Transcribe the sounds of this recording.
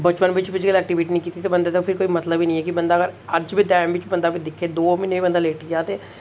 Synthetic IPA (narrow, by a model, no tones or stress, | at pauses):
bət͡ʃpənʋɪt͡ʃbɪt͡ʃɡəlɛːk̚ʈiʋiːʈinə̃ĩkiːt̪it̪ebə̃nd̪eːt̪opʰɪɾkoːimɐt̪ləbiːnə̃ĩːɛːkibə̃nd̪aːɡəɾəd͡ʒbʱiːʈ̪ɛːmʋɪt͡ʃbə̃nd̪aːbid̪ɪkʰːeːd̪oːmɪnebibənd̪aːleːʈid͡ʒaːt̪eː